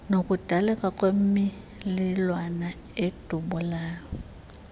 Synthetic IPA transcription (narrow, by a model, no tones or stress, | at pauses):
nokʼud̥ʱalɛkʼakʼwem̩mi | lɪlwana | ed̥ʱuɓulaːjɔ